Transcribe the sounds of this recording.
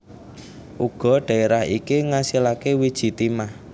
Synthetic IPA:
ʔuɡ̥ɔ̤ɖ̥ä̤eɾahḭkiŋasilakewid̥ʒ̥i̤t̪imah

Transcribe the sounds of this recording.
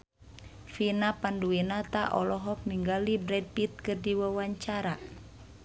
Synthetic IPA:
finapanduinat̪aʔɔ̰lɔɦɔk̚niŋɡalibɾɛd̚pit̪̚kɨrdiwawaɲt͡ʃaɾa

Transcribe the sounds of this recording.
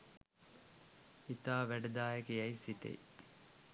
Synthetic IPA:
it̪aːʋæɖɐd̪aːekejɐisit̪ḛḭ

